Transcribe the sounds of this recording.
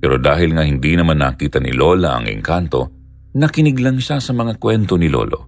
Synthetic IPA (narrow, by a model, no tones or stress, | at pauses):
pɛːɾo̞d̪aːhɪlŋɐhɪnd̪inɐmanːa̰ːkiːt̪ɐnɪ̰lo̞ːlɐʔɐ̰ŋʔɛ̰ŋkant̪o̞ | nɐkɪnɪɡlɐŋʃasɐmɐŋakwɛnt̪onɪlo̰lo̰